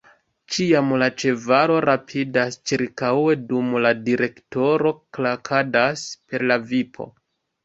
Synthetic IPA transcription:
t͡ʃiamlat͡ʃe̞vaɾo̞ɾapʰidast͡ʃiɾkawe̞dumladiɾʔe̞kto̞ɾo̞klakʰadaspe̞ɾlavipʰo̞̰

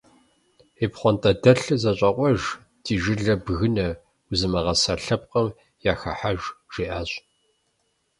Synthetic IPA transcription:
eːpχʷɔntʼɐdɐɬɨzɐɕʼɐqʷʼɔʒ | dʰiːʒɪɮɐbɣɨnɐ | ʊzɨmɐʁɐsɐɬɐp̚qɐm | jaːxɐ̰ħaʒʒ̥iːʔaːɕʼ

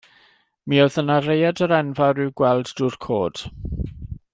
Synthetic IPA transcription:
mioðənaɾejadəɾɛnvaɾɪwɡwɛlˠdduːrkʰoːd̥

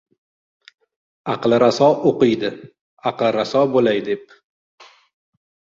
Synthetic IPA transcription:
ɑqlˠɪɾasɒoqɨjd̪ɪ | ɑqlˠɪɾasɒbolajd̪e̞p̚

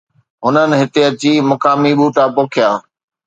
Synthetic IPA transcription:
ɦʊnənɪ̆ɦɪt̪eɐt͡ɕimɐkaːmiɓuːʈaːpoːkʰɪjaː

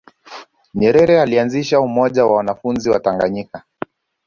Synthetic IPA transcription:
ɲɛɾɛɾɛalianziʃaumɔʄawawanafunziwa̰taŋɡaɲika

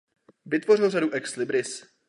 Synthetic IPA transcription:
vɪt̪vo̞rɪlraduʔɛkslɪbɾɪs

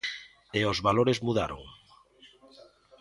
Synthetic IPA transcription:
eozβaloɾezmuðaɾo̰ŋ

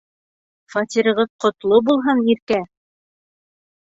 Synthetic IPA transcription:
fɑt̪ʲiɾɤ̆ʁɤðqŏt̪lˠobulˠɦɤniɾkæ

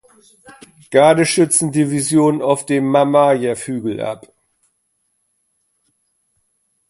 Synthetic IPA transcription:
ɡ̥aɐdəʃʏt͡sn̩divizjoːnənaʊfd̥eːmːamaːjɐfyːɡl̩ʔa̰p

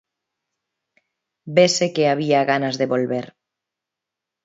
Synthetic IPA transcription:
besekeaβ̞iaɣanazðeβolβeɾ

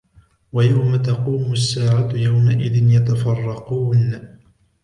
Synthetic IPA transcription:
wajawmat̪ɑquːmʊsːaːʕajawmaʔɪðɪnjat̪afɑrˤːɑquːn

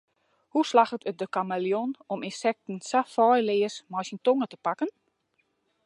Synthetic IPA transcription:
huslaxətʰət̚dəkamaljonɔmɪnsɛk̚tn̩safɔjlɪːəsmɔjsintoŋətə̥pakən

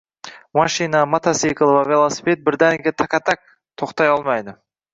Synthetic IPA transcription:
mɑʃinamat̪asikəlˠvavʲelˠosi̥pet̪̚bɪɾd̪ænɡʲet̪ʰakat̪ak̚ | t̪ʰoqt̪ɑjɑlˠmɑjd̪ə

